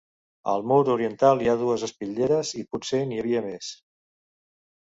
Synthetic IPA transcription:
ə̰lˠmoɾuɾiənt̪alˠiaðuəzəspiʎeɾəzipuseniəβ̞iəmes

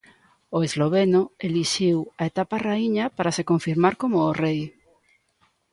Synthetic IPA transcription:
oezloβ̞enoeliʃiwaet̪aparaiɲapaɾasekoɱfiɾmaɾkomʊːrej

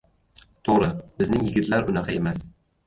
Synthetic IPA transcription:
t̪ʰoʁɾɪb̥ɪznɪŋjɪɡʲɪt̪laɾʊnɑqʰɑe̞mas

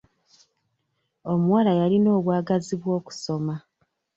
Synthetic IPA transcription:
o̞muwalajalino̞ːβwaːɡaziβwo̞ːku̥so̞ma

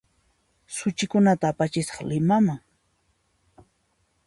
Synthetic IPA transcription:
sʊt͡ʃɪkʊnat̪aːpat͡ʃɪsɑ̥χlɪmamaŋ

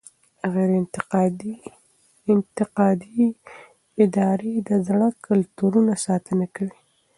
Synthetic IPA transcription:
aɣeɾn | ɪnt̪ɪqɑd̪i | ɪd̪ɑɾed̪əzɽəkʰʊlt̪uɾunasɑt̪ənakawi

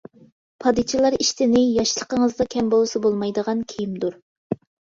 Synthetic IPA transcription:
pʰɑd̪ɨt͡ʃʰilˠɑɾiʃt̪ʰɪnɪjɑʃlˠə̥qəŋəzd̪ɑkʲʰɛmbolˠɨsɨbolˠmɑjd̪əʁɑnkʲʰejimd̪uɾ

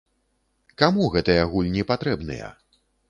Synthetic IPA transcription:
kamuɣɛt̪ɐjɐaɣulʲnʲɛpat̪ɾɛbnɨ̰jɐ̰

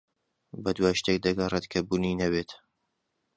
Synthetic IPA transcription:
bɐd̪waːʃt̪ek̚d̪ɐɡɐret̪kʰɐbuninɐβet̪

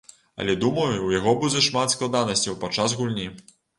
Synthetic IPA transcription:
ɐ̰lʲɛd̪umɐjuwjaɣɔbud͡zʲɐʂmat̪sklˠad̪anɐsʲt͡sʲɐwpat͡ʂːazɣulʲnʲi

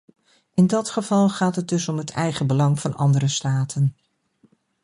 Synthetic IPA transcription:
ɪndɑtχəvɑlˠχaːtɦət̚dɵsɔmɦətʰɛjχəbəlɑŋvɑnɑ̰ndərəstaːtʰən

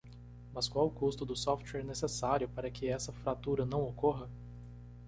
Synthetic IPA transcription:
mɐskwawkust̪ʊd̪ʊsɔft̪wɛɾnesesaɾjʊpaɾɐkʰɪɛsɐfɾat̪uɾɐnɐ̃w̃okoɦɐ

